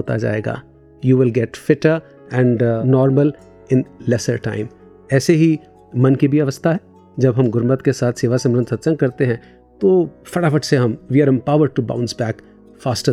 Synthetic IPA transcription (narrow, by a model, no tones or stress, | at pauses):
ɦoːt̪a̰d͡ʒa̰ːḛːɡa̰ː | juːʋɪlɡɛʈfɪʈəɾ | ɛ̃ɳɖnɔːɾməl | ɪ̃nlɛsəɾʈãːɪ̃m | ɛːseɦi | mɐnkibʱiɐʋəst̪ʰaɦɛ | d͡ʒɐbɦɐ̃mɡʊɾmət̪kesaːt̪ʰseːʋasemɾə̃nt̪sɐt̪ːsə̃ŋɡ̚kɐɾt̪eɦɛ̃ː | t̪oːfɐʈafɐʈseɦɐ̃mʋiəɾɪ̃mpaːʊʋəɾɖ̚ʈubã̰ʊ̃nsbɛːk | faːsʈə